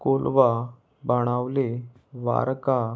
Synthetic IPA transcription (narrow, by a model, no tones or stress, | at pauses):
kolʋa | baɽ̃aʋle | ʋa̰ɾka